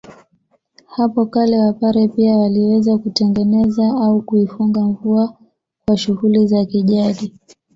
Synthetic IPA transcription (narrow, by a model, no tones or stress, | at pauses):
hapɔkalɛwapaɾɛpiawaliwɛzakutɛŋɡɛnɛzaaukuifuŋɡaɱvua | kwaʃuhulizakiʄaɗi